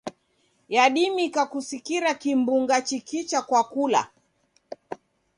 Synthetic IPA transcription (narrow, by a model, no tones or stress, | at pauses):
jaɗimikakusikiɾakimbuŋɡat͡ʃikit͡ʃakwakula̰